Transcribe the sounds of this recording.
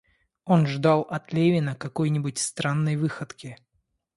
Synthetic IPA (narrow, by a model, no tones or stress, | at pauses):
o̞nʐd̪ɑlˠɐt̪lʲevʲɪnəkɐko̞jnʲɪbʊtʲst̪ɾanːəjvɨxət̪kʲɪ